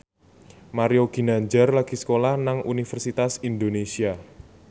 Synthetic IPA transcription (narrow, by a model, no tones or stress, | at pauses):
maɾioɡ̥i̤naɲd͡ʒarlaɡ̥i̤sə̥kolahnaŋunifɛrsit̪asind̪onesia